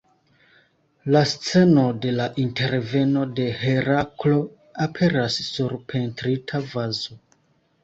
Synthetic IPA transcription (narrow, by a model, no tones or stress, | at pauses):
last͡se̞no̞de̞laʔinte̞ɾve̞no̞de̞he̞ɾaklo̞ | apʰe̞ɾasːuɾpʰe̞ntɾitʰavazo